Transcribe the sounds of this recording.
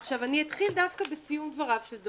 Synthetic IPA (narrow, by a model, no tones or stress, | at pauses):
χʃavaniet̪χild̪avkabesijumvaʁavʃeld̪